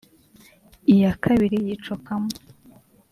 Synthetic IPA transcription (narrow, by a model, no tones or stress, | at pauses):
ijakʰaβiɾijit͡ʃokamo